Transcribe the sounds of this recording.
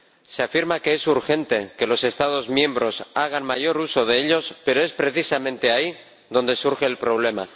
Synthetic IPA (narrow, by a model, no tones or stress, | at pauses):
se̞afiɾmake̞esuɾxe̞nt̪eke̞lo̞se̞st̪að̞o̞zmjẽ̞mbɾo̞saɣ̞anmaʝo̞ɾuso̞ð̞e̞eʎo̞spe̞ɾo̞e̞spɾe̞θisamẽ̞nt̪e̞ai | ðo̞nd̪e̞suɾxe̞ːlpɾo̞β̞le̞ma̰